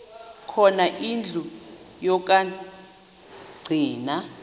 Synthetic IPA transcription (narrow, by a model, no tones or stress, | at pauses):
kʰɔnaʔind͡ɮʱu | jɔk̬ʼa | ɡ͡ǀʱiːna